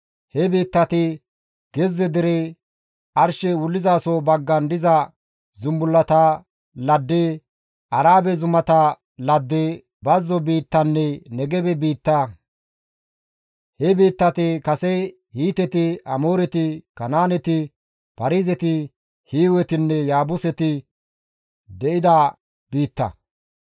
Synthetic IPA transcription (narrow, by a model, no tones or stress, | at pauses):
hɛbiːt̪ːɐt̪ɪ | ɡ̥ɛzːɛd̪ɪɾɛ | ɐɾʃɛwʊlːɪzaːsobɐɡːɐnd̪ɪzɐ | zʊmbʊlːɐt̪ɐ | lɐd̪ːe | ɐɾaːbɛzʊmɐt̪ɐ | lɐd̪ːe | bɐzːɔbiːt̪ːɐnːɛnɛɡɛbɛbiːt̪ːɐ | hɛbiːt̪ːɐt̪ɪkɐsɛ | hiːt̪ɛt̪ɪʔɐmoːɾɛt̪ɪkɐnaːnɛt̪ɪ | pɐɾiːzɛt̪ɪ | hiːwɛt̪ɪnːɛjaːbʊsɛt̪ɪ | d̪ɛʔɪd̪ɐ | b̥iːt̪ːɐ̰